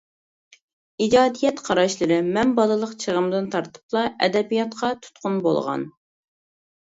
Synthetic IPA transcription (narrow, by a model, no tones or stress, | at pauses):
id͡ʒɑːd̪ijɛt̪qʰɑɾɑʃlˠɨɾɨmɛnbɑlˠəlˠəqt͡ʃʰəʁəmd̪ɨnt̪ʰɑɾt̪ʰɨ̥plˠɑʔɛ̰d̪ɛbijɑt̪qʰɑt̪ʰu̥t̪qʰʊnbo̰lˠʁɑ̰n